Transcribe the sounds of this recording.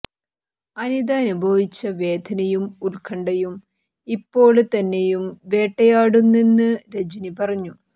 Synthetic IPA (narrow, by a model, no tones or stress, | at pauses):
ɐnid̪ɐːnubʱɐʋit͡ɕːɐʋe̞ːd̪ʱɐnɐjumulkʰɐɳɖɐjum | ipːo̞ːɭt̪ɐnːejumʋe̞ːʈːɐjaːɽunːinːɨɾed͡ʑinipɐrɐɲːu